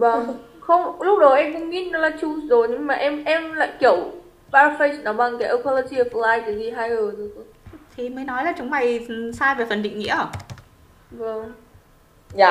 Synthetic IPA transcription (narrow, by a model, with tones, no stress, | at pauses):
və˨˩ | xə˧wŋ͡mlʊ˦˥k͡p̚ɗə˨˦ʔɛ˧mxə˧wŋ͡mŋḭ˧˥nɔ˨˦laː˨˩t͡ɕu˧˩szo˨˩jɲɨ˧ŋmaː˨˩ʔɛ˧mʔɛ˧mla̰ː˧˨jki˧˩əw | ɓaː˧fə˧ji˧˨˩nɔ˨˦ɓa˨˩ŋkaː˨˦jʔə˧kʰɔ˧lo˧t͡ɕi˧ə˨˩flaː˧jkːzi˨˩ɦaː˧jɣəː˨˩tɨ˨˦tʰo˧˦ | t̪ʰi˨˩məː˨˦jnɔ˨˦jlaː˨˩t͡ɕʊ˨˦ŋ͡mma˨˩jsaː˧jve˨˩fə˨˩nɗḭ̈˧˨ŋ̟ŋḭ˧˥əʔəː˨˩ | və˧˩ŋ | aː˨˧˨